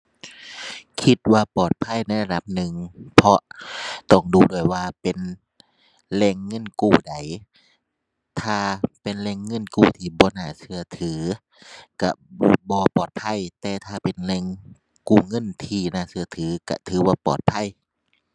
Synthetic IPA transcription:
kʰi˧t̪̚waː˧pɔː˨˩t̪̚pʰa˧˥˨jna˧˥˩la˧da˧p̚nɯ˨˩ŋpʰɔ˧ʔt̪ɔ˧˩ŋduː˧˩du˧˩əjwaː˧pe˨n | lɛː˧˩ŋːɤ˧˥˨nkuː˧˩da˨˩j | t̪ʰaː˧˩pe˨nlɛː˧˨ŋːɤ˧˥˨nkuː˧˩t̪ʰiː˧˩bɔː˧˦naː˧˩sɯ˧ɐt̪ʰɯː˨˩˦ | ka̰˧˩bɔː˧˩bɔː˧pɔː˨˩t̪̚pʰa˧˥˨jt̪ɛː˧t̪ʰaː˧pe˨nlɛː˧˩ŋ | kuː˧˩ŋɤ˧˥˨nt̪ʰiː˧naː˧˩˨sɯ˧ɐt̪ʰɯː˨˦ka̰˧˩t̪ʰɯː˨˦baː˧˩pɔ̰ː˨˩t̪̚pʰa˧˥˨j

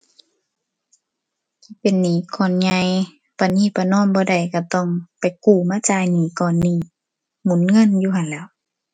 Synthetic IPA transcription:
pe˨nːiː˧˩˨kʰɔː˧˨nɲa˧j | pa˧˨niː˧˨pa˧˨nɔː˧˥˨nbɔː˧˦da˨˩jka˧˩t̪ɔ˧˨ŋpa˨jkuː˧˩˨maː˧˥˨t͡ɕaː˧jniː˨˦kɔː˧˩nːiː˧˩ | mu˨˦nŋɤ˧˥˨njuː˧ha˨nlɛː˧˨w

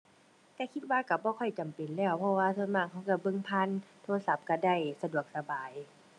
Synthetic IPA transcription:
t̪ɛː˧˩kʰi˧t̪̚waː˧ka˧˩bɔː˧˦kʰɔ˧˩jt͡ɕa˨mpe˨˩nlɛː˧˩wpʰɔ˧waː˧tsʰo˧˥˨nmaː˧˩ŋ̚ha˧˩wka˧˩bɤ˧˨ŋpʰa˧˥˨nt̪ʰoː˧sa˧˦˩p̚ka˧˩da˧˩˨jsa˧du˨˩ək̚sa˧baː˨˩j

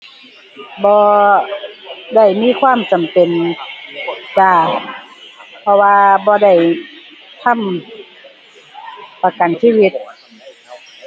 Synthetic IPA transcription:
bɔː˧ | da˧˩jmiː˧˥˨kʰwaː˧˥˨mt͡ɕa˨˩mpe˨n | t͡ɕaː˧˩ | pʰɔ˧waː˧bɔː˧da˧˩j | t̪ʰa˧˥˨m | pa˧ka˨nsiː˧˥˨wi˧˥t̪̚

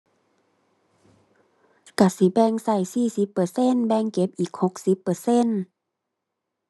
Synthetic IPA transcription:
ka˧˩si˧˦bɛː˧˨ŋsa˧˩jsiː˧˩si˧˦pːɤ˧se˧˥˨nbɛː˧˨ŋke˧˦p̚ʔiː˨˩k̚ho˧˦k̚si˧˦pːɤː˧˩se˧˥˨n

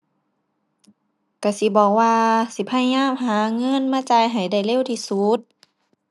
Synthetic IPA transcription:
ka˧˩si˧˦bɔː˧˩k̚waː˧si˧˦pʰa˧˩jɲaː˧˥˨mɦaː˨˦ŋɤ˧˥˨nmaː˧˥˨t͡ɕa˧jɦa˨˩jda˧˩jle˧˥˨wt̪ʰiː˧su˧˦t̪̚

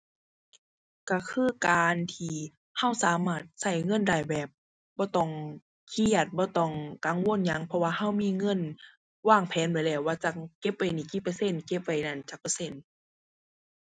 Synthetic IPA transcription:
ka˧˩kʰɯː˧˥˨kaː˨˧nt̪ʰiː˧ | ha˧˩˨wsaː˨˦maː˧˩t̪̚sa˧˩jŋɤ˧˥˨nda˨˩˨jbɛː˨˩p̚ | bɔː˧˦t̪ɔ˧˩ŋ | kʰi˧˩ə˨t̪̚bɔː˧˦t̪ɔ˧˩ŋka˨˦ŋwo˧˥˨nɲa˧˥ŋpʰɔ˧waː˧ha˧˥˨wmiː˧˨ŋɤ˧˥˨n | waː˧˩˨ŋpʰɛː˨˦nba˨˩jlɛː˧˩waː˧t͡ɕa˧˩ke˧˥p̚wa˨jniː˧˩ki˧˩pːɤ˧˨se˧˥˨nke˧˩p̚wa˨˩jna˧˩˨nt͡ɕa˧˦k̚pːa˧se˧˥˨n

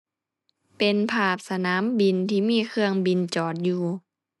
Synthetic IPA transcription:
pe˧npʰaː˧˩p̚sa˧naː˨˦mbi˨˩nt̪ʰiː˧˩miː˧˥˨kʰɯ˧əŋbi˨˧nt͡ɕɔː˨˩t̪̚juː˧˩

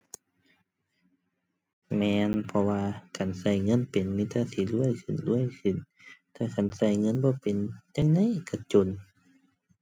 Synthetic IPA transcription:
mɛː˧npʰɔ˧waː˧ka˨˩nsa˧˩jŋɤ˧˥˨npe˨nmiː˧˥˨t̪aː˧˨si˧˩lu˧˥˨əjkʰɯ˧˩˨nlu˧˥˨əjkʰɯ˧˩˨n | t̪ʰaː˧˨kʰa˧˨nsa˧˩jŋɤ˧˥˨nbɔː˧˦pe˨nt͡ɕa˧ŋna˧˨ʔka˧˩t͡ɕo˧˨n

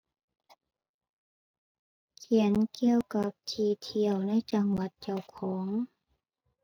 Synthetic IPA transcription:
kʰi˨˩˦ənki˧˩əwka˧˦p̚t̪ʰiː˧˩t̪ʰi˧˩əwna˧˥˨jt͡ɕa˧ŋwa˨˧˦t̪̚t͡ɕa˧˥˩wkʰɔː˩˦ŋ

